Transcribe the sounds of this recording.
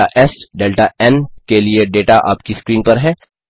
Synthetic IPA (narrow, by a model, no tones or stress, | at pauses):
aʔɛsɖeːlʈaʔɛnkelieɖeːʈaʔa̰ːpkiskɾiːnpɐɾɦɛː